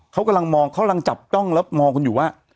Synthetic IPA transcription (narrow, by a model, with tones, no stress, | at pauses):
kʰa˦˥wka˧mla˧ŋmɔː˧ŋkʰa˦˥wka˧la˧ŋt͡ɕa˨˩p̚t͡ɕɔ˥˩ŋlɛ˦˥wmɔː˧ŋkʰo˧njuː˨˩waː˥˩